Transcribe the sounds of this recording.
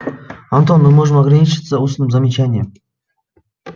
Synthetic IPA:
ant̪onmɨmoʐɨmɐɡranʲit͡ɕɪt̪səusnɨmzɐmʲɪt͡ɕænʲɪjəm

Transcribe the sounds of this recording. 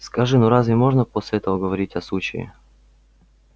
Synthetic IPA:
skɐʐɨnuɾazvʲɪmo̞ʐnəposʲlʲɪɛt̪əvəɡəvɐɾʲitʲɐslˠut͡ɕɪ̰ɪ̰

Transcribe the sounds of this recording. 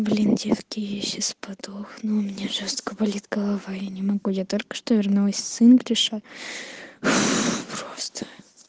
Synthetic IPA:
vlʲɪndʲefkʲɪjeɕɪspɐd̪oxnumʲɪnʲaʐost̪kəbɐlʲit̪ɡəlˠɐvajanʲɪmɐɡujat̪olʲkə̥ʂt̪ovʲɪrnulˠəsʲsɨnɡɾʲɪʂa | pɾost̪ə̥

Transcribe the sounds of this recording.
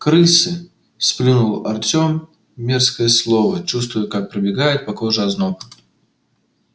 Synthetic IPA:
kɾɨsɨ | splʲinulˠɐrt͡sʲomːʲ | erskəjəslˠovət͡ɕust̪vʊjʊkak̚pɾəbʲɪɡajɪt̪̚pɐkoʐɨɐznok

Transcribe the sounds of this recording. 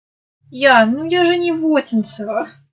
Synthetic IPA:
janujaʐɨnʲɪvotʲɪnʲsəvə

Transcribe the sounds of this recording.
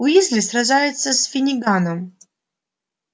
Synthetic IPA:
ʊizlʲɪsɾɐʐajɪt̪səsfʲɪnʲɪɡanəm

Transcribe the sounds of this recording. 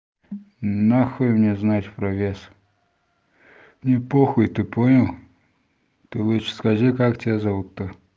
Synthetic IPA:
naxɨjmnʲeznatʲpɾɐvʲes | mnʲɪpoxʊjt̪ɨponʲəlˠ | t̪ɨlˠut͡ʃskaʐɨkaktʲɪazavut̪ːɨ

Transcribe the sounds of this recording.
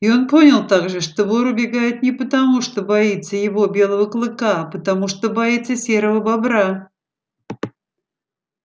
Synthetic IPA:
ɪo̞npo̞nʲɪlˠt̪aɡʐɨʂt̪ovoɾʊbʲɪɡajɪt̪nʲɪpət̪ɐmuʂt̪obɐit̪sːəjɪvo̞bʲelˠəvəklˠɨkaːpət̪ɐmuʂt̪obɐit̪səsʲe̞ɾəvəbabɾa

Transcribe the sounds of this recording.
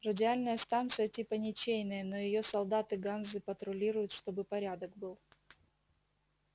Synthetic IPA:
rədʲɪalʲnəjəst̪ant̪sɨjətʲipənʲɪt͡ɕejnəjəno̞jɪjo̞sɐlˠd̪at̪ɨɡanzɨpət̪ɾʊlʲiɾʊjʊt̪ʂt̪o̞bɨpɐɾʲad̪ək̚bɨlˠ

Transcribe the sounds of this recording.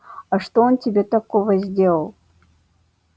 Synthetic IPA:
aʂt̪oontʲɪbʲet̪akovəzʲdʲelˠəlˠ

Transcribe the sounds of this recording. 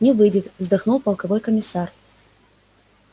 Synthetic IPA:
nʲɪvɨjdʲɪt̪vzd̪axnulˠpɐlˠkɐvojkəmʲɪsar

